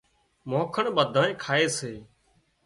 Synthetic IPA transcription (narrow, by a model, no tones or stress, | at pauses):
mõːkʰəɳɓəd̪ʱãːnẽːkʰaːeːseː